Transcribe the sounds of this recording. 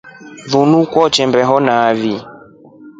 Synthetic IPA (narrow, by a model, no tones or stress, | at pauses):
ðunukwɔt͡ʃɛmbɛɦɔnaːvi